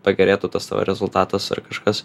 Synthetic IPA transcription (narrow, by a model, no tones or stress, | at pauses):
pɐɡʲɛɾʲeːt̪uːt̪ɐst̪ɑ̰ːʋɐ̰ɾʲɛzʊlˠt̪ɑːt̪ɐsɪ̰rkɐʃkɐs